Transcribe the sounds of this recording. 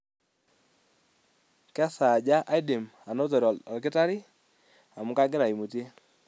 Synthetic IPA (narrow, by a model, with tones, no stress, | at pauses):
kɛ˦sa˨d͡ʒa˦ʔa˦ɪ˦de˨ma˨no˦t̬ɔ˨ɾɔ˨lkɪ˦ta˦ɾɪ˦ | a˨mʊ˦ka˦ɡɪ˦ɾa˨i˨mu˨tje˦